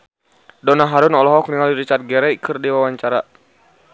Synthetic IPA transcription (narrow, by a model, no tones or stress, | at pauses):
dɔnaɦaɾunɔlɔɦɔk̚niŋaliɾit͡ʃart̪̚ɡɛɾɛkʰɨrdiwawaɲt͡ʃaɾa